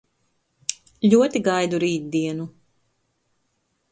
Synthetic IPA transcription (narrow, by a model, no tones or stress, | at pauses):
lʲuɔt̪iɡajd̪uɾiːt̪̚d̪iɛnu